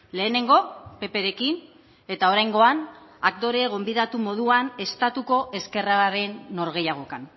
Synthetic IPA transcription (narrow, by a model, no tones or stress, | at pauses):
le̞ːne̞ŋɡo̞pe̞pe̞ɾe̞kin | e̞t̪ao̞ɾajŋɡo̞anakt̪o̞ɾeːɣo̞mbiðat̪umo̞ð̞uane̞st̪at̪uko̞ʔe̞ske̞raɾe̞nːo̞ɾɣ̞e̞jaɣ̞o̞kan